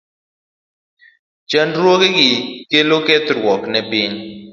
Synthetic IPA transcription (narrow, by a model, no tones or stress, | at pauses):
t͡ʃɛndɾwokeɡɪkelokɛt̪ɾwɔknɛpɪŋ